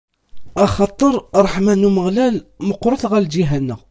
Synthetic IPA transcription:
ɑxɑt̪ˤːəɾˤɾˤɑħmænuməɣlælməqɾˤəθɣæld͡ʒiɦænːæ

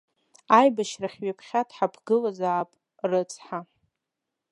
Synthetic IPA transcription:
ajbaʃraχʲɥapʰχʲatʰʼħapʰɡɨlazaːpʼ | rɨt͡sʰʼħa

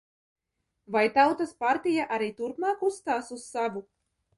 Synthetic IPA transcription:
vajt̪awt̪aspaɾt̪ijaʔaɾiːt̪uɾpmɑːkusst̪aːsussavu

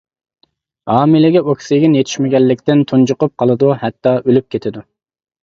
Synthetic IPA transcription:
hɑːmɪlɪɡʲɛokʲʰsɪɡʲɪnjet̪ʰi̥ʃmɪɡʲɛlːɪkʲt̪ɪnt̪ʰund͡ʒʊqʊp̚qʰɑlˠɨd̪uhɛt̪ːɑʔølyp̚kʲʰet̪ʰɪd̪u

